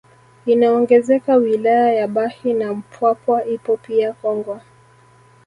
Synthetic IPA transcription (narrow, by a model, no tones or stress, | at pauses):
inaɔŋɡɛzɛkawilajajaɓahinam̩pwapwaʔipɔpiakɔŋɡwa